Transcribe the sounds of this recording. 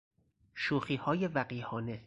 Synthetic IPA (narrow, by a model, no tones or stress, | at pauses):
ʃuːxiːhɒːje̞væɢiːhɒːne̞